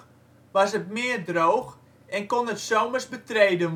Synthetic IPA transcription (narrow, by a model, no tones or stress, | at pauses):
ʋɑsətmɪːərdroːx | ɛnkonətsowmərsbətreːdən